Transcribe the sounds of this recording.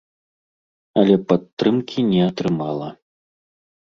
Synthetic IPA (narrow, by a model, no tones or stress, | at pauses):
ɐlʲɛpat̪ːɾɨmkʲinʲɛɐt̪ɾɨmalˠɐ